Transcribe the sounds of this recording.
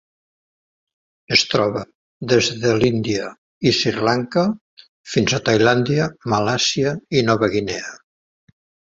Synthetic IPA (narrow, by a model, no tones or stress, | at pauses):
əst̪ɾɔβə | ðezðəlind̪iə | isirlaŋkə | finzat̪ajland̪iəmalasiəinɔβəɣinɛə